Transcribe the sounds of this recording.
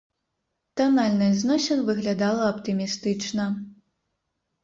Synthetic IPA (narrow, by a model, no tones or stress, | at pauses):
t̪analʲnɨznɔsʲɛnvɨɣlʲad̪alˠɐɐpt̪ɨmʲist̪ɨt͡ʂnɐ